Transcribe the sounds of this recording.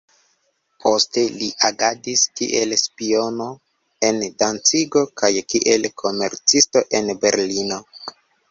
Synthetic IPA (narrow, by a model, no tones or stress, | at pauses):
pʰo̞ste̞liʔaɡadiskḭʔe̞lspio̞no̞ | e̞ndant͡siɡo̞kajkiʔelkʰo̞me̞ɾt͡sisto̞ʔe̞nbe̞ɾlino̞